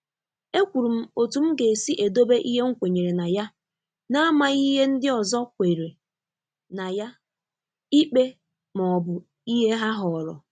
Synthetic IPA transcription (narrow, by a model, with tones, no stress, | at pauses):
e˦kʷu˨ɾu˨m̩˦o˨tu˨m̩˦ɡe˨si˦ʔe˨do˦be˦ʔi˦ɦe˦ŋ̩˦kʷe˨ɲe˨ɾe˨na˨ja˦ | na˦a˦ma˨i˦ɦe˦n̩˦dɪ˦ɔ˨zɔ˦kʷe˨ɾe˨ | na˨ja˦ | i˦k͡pe˦ | mɔ˨ɔ˨bʊ˨ | i˦ɦe˦ɦa˦ɦɔ˨ɔ˨ɾɔ̰˨